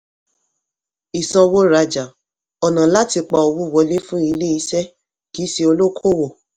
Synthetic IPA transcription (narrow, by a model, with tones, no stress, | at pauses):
i˨sɔ̃˧wo˦ɾa˧d͡ʒa˨ | ɔ˨nã˨la˦ti˧k͡pa˧ɔ˧wu˦˨wɔ˧˦le˦fũ˦i˧le˦i˧˦sɛ˦ | ki˨˦si˧o˧lo˦kʰo˦˨wo˦˨